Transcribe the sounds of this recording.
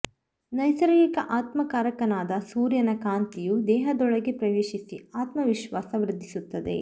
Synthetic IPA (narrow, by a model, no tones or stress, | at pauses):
nɐjsɐɾɐjikɐʔaːt̪mɐkaːɾɐkɐnaːd̪ɐsuːɾjɐnɐkaːnt̪ijud̪ɛːɦɐd̪ɔɭɐɡepɾɐʋeːʃisiaːt̪mɐʋiʃʋaːsɐʋɾɪd̪ʱːisut̪ːɐd̪e̞̰